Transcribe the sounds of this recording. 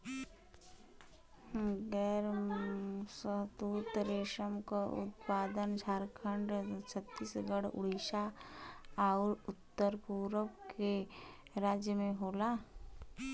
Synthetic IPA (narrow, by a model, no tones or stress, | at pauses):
ɡɛːɾ | səɦt̪uːt̪ɾeːʃəmkaʊ̰t̪paːd̪ənd͡ʒʱaːɾkʰəɳɖt͡ʃʰət̪ːiːsɡəɽʊ̰ɽ̤iʃa | aʊɾʊt̪ːəɾpuːɾəpke | ɾaːd͡ʒjəmẽɦoːlaː